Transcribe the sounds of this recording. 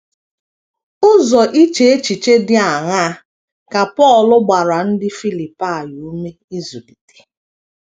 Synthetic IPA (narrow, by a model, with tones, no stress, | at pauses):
ʊ˦zɔ˨ʔi˦t͡ʃe˨˦e˦t͡ʃi˨t͡ʃe˦dɪ˦a˨ŋa˦ | ka˨pɔ˦˨lʊ˦ɡ͡ba˨ɾa˨n̩˦dɪ˦fi˦li˨pa˦˨ju˨u˦me˦i˦zu˨di˨te̥˨